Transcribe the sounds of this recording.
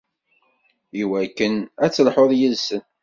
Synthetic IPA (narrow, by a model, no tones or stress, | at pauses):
iwækːənæt͡sːəlħoðˤjəlsən